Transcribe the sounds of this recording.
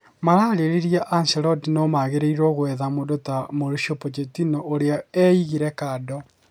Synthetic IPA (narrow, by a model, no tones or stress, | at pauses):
maɾaːɾeɾeɾiaʔansɛɾɔdinomaɣeɾeiɾoɣwɛðamodotamoɾuʃopot͡ʃetinɔʔoɾeɔɛiɣiɾɛkadɔ